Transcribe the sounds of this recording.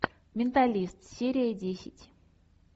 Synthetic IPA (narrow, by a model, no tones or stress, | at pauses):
mʲɪnt̪alʲist̪sʲeɾʲɪjədʲesʲɪtʲ